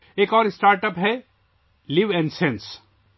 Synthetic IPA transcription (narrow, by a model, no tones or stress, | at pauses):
eːkɔːɾɪsʈaːɾʈəpɦɛ | liʋɛ̃nɖsẽns